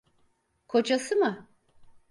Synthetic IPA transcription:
kʰo̞d͡ʒasɯmɯ

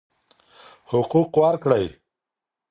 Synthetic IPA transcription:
hʊquqwɑɾkɽaj

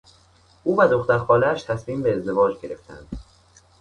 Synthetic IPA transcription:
ʔuːvæd̪o̞xt̪æɾxɒːlææʃt̪ʰæsmiːmbeːzd̪e̞vɒːd͡ʒɟe̞ɾe̞ft̪ʰæ̰nd̪̥

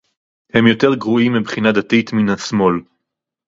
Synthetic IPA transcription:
hemjo̞teʁɡʁuimːibχinad̪atit̪minasmo̞l

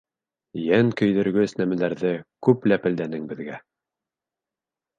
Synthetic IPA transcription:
jæŋkɵ̆jðɵ̆ɾɡɵsnæmælæɾðɘkʉplæpɘ̆ld̪ænɘŋbɘ̆ðɡæ

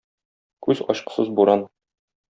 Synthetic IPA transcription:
kʉzɒ̰ɕqɤ̥̆sɤzbuɾɑn

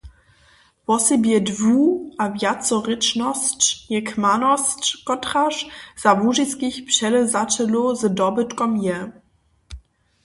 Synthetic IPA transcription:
vɔsibiɛdvuːavjat͡sɔʁɪt͡ʃnɔst͡ʃjɛkʰmanɔst͡ʃkɔtʁaʃz̥avuʒiskɪçpʃɛləzatʰəlozədɔbətkɔmjɛ

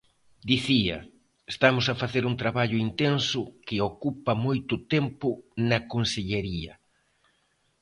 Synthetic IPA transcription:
d̪iθiɐ̰ | est̪amʊsɐfaθeɾuŋt̪ɾaβaʎʊint̪ensʊkɪokupɐmojt̪ʊt̪ɛmpʊnɐkonseʎeɾiɐ̰

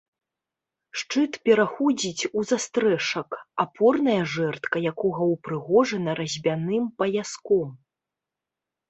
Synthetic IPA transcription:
ʂt͡ʂɨt̪pʲɛɾaxɔd͡zʲit͡sʲuzast̪ɾɛʂɐkapʰɔrnɐjɐʐɛrt̪kɐjakɔɣɐwpɾɨɣɔʐɐnɐɾɐzʲbʲanɨmpɐjaskɔm

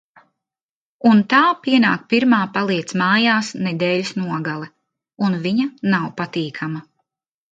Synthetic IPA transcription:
unt̪aːpiɛnaːk̚piɾmaːpalˠiɛt̪smaːjaːsnɛd̪ɛːlusnuɔɡalˠɛ | unviɲanawpat̪iːkʰama

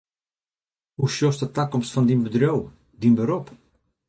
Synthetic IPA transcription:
huʃjɔstətakɔmstfɑndinbədrow | dinbəɾɔp

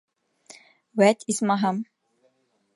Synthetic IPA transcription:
wæt̪ʰismaɦam

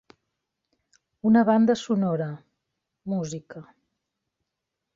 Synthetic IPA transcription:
unəβand̪əsunoɾə | muzikə

